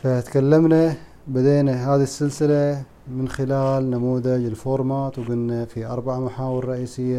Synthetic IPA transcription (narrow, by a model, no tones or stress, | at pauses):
fat̪kalːamna | bad̪eːnaɦaːðisːɪlsɪla | mɪnxɪlaːlnamuːðad͡ʒɪlfoːɾˤmaːt̪wɡʊnːafiʔɑɾˤbaʕamaħaːwɪɾɾˤɑʔiːsɪjːa